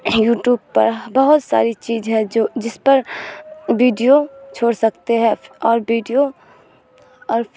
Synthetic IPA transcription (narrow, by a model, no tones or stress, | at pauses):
juːʈjuːb̚pɐɾbɐɦʊt̪sa̰ːɾit͡ʃiːzɦɛ̃d͡ʒod͡ʒɪspɐɾ | ʋiːɖijot͡ʃʰoːɽsɐkt̪eɦɛ̃ɔːɾbiːɖijo | ɔːɾ